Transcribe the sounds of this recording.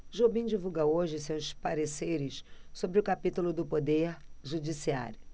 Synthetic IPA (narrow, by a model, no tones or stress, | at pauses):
ʒobĩd͡ʒivuɡɐoʒɪsewspaɾesejɾɪssobɾɪʊkapit̪ulʊd̪ʊpod̪eɾʒud͡ʒisia̰ɾjʊ